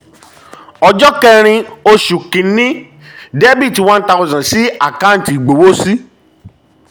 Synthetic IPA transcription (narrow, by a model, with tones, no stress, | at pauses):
ɔ˨d͡ʒɔ˦kɛ˦˧ɾ̃ĩ˧o˧ʃu˨kĩ˨˦nĩ˦ | de˦bi˦˨ti˨wã˦n̩˦ta˧˦˧zã˨si˦a˦˨kã˦n̩˨ti˨ɡ͡bo˨wo˦si˦